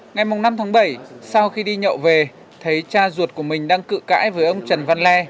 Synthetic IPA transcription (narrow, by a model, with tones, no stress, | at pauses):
ŋa˨˩jmʊ˨˩ŋ͡mna˧mt̪ʰaː˨˦ŋɓə˧˩jsa˧wxi˧ɗi˧ɲə̰˧˨wve˨˩ | t̪ʰə˨˦jt͡ɕaː˧zu˨˩ət̚ku˧˩əmï˨˩ŋ̟ɗaː˧ŋkɨ̰˧˨ka̰ː˧˥jvəː˨˦jʔə˧wŋ͡mt͡ɕə˨˩nva˧nlɛ˧